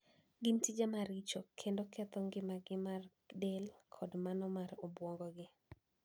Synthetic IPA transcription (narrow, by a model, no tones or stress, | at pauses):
ɡɪntid͡ʒamaɾɪt͡ʃɔkʰendokʰɛt̪ɔŋɡɪmaɡɪmar | delkʰɔdmanɔmarobwɔŋɡɔɡɪ